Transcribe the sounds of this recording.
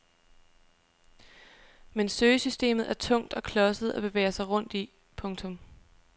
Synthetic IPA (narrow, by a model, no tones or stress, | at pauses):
mensøːsysd̥e̝̰ːmð̩ˠæɐt͡sʰɔ̽ŋ̰d̥ɒ̽kʰlɒ̽səð̩ˠʔæb̥e̝ʋḛːɐsɑ̈ɪʁɔ̽n̰d̥i | pʰɔ̽ŋt͡sʰɔ̽m